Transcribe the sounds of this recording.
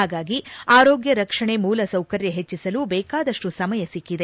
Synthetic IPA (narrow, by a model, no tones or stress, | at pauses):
aːɡaːɡiaːɾoːɡjɐɾɐkʂɐɳe̞muːlɐsɐwkɐɾjɐɦet͡ʃːisɐlubɛːkaːd̪ɐʂʈusɐmɐjɐsikːid̪e